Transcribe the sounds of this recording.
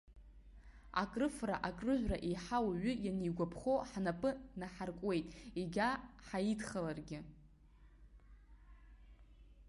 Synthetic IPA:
a̰kʼrɨfra̰ʔakʼrɨʒᶣʷraʔejħawaɥʏjanejɡʷapʰχoħnapʼɨnaħarkʷʼwe̞jtʼiɡʲaħajidχalarɡʲɪ

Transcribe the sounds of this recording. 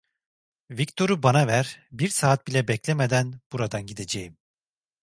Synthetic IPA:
vict̪ʰo̞ɾubanavæɾbiɾsaːt̪̚bilʲɛbɛclʲemed̪ænb̥uɾad̪anɟid̪e̞d͡ʒejim

